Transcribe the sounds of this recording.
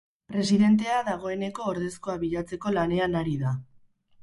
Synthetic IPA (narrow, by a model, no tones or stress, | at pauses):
pɾe̞siðe̞nt̪̬e̞aðaɣ̞o̞e̞ne̞ko̞ːɾðe̞skoaβiʎat͡se̞ko̞lane̞anaɾiða